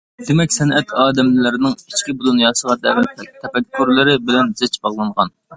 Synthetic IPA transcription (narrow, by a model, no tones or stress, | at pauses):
d̪̥emɛkʲsɛnʔɛt̪ʰɑːd̪ɛmlɪlɪɾɪnɪŋi̥t͡ʃkʲibulˠunjɑːsəʁɑd̪ɛvɪnt̪ʰːɛpɛkʲʰːuɾlɪɾɪbɪlɛnzɪt͡ʃbɑʁlˠɑɴʁɑ̰n